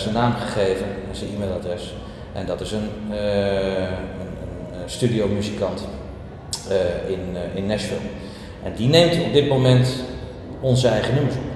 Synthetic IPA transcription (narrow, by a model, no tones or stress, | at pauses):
sənaːmχəχejvənɛnsəimeːlˠadrɛs | ʔɛndɑtɪsən | ənənstydijowmyzikɑnt | ɪnɪnːɛsfɪ̰lˠm | ʔɛndinejmtɔb̚dɪt̚momɛnt | ɔnzəɛjχənus